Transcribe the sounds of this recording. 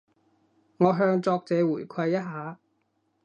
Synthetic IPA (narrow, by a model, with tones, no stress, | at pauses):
ŋɔː˨˧ɦœː˧ŋt͡sɔː˧k̚t͡sɛː˨˧wuː˨˩jkʷʰɐ˧jːɐ˥t̚ɦaː˨˧